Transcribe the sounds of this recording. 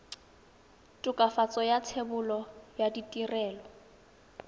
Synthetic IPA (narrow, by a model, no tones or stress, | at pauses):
tʼʊkʼafat͡sʼɔjat͡sʰebʊlɔjaditʼirɛːlɔ